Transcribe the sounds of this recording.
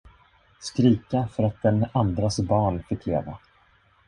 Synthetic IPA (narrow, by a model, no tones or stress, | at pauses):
skɾiːkafœɾat̪̚d̪ɛnand̪ɾasbɑːɳfɪkːleːva̰